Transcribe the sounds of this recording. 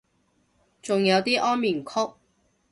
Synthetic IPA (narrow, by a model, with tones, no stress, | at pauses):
t͡sʊ˨ŋjɐ˨˧wt̪iː˥ʔɔː˥nmiː˨˩nkʰʊ˥k̚